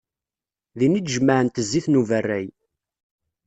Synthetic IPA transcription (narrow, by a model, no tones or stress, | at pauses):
ðinid̪ʒəmːəʕənt̪əzːiθnuvərːæj